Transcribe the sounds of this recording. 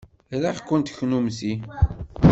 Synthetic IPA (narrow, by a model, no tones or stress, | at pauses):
laχkːʊnt̪çnumsi